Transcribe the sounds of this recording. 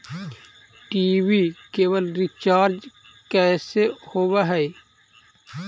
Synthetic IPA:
ʈiːwikeːwəlɾit͡ʃaːɾd͡ʒ | kɛːsehoːwaɦɛ

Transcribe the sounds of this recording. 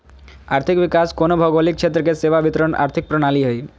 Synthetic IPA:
aɾt̪ʰikbikaskonobʱɔɡalik̚t͡ʃʰet̪ɾokeseʋabit̪ɾona̰ɾt̪ʰik̚pɾoɽ̃aliɦoj

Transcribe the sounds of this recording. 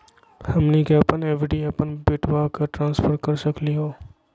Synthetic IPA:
hɐmnikeɐpəneːʋɪɖiɐpənbeʈʰʋakaʈɾãːnsfʰəɾkɐɾsɐkliɦoː

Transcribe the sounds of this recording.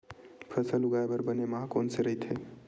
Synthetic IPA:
pʰəsəlʊɡaebəɾbənemaɦãkoːnseɾəɦit̪ʰe

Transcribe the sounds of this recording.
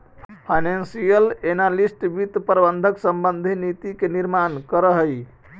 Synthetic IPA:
ppʰajnensijəlenalisʈbit̪pɾbənd̪ʱəksəmbənd̪ʱinit̪ikeniɾmankəɾəɦəj

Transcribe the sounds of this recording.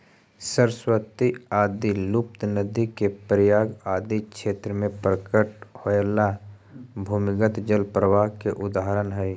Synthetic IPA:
səɾswət̪iaːd̪ilʊp̚t̪nəd̪ikepəɾjaːɡaːd̪ikʃeːt̪ɾəmẽpɾəkəʈhoela | bʱuːmɪɡət̪d͡ʒəlpɾəʋaːɦkeʔʊd̪aːɦəɾənɦɛj

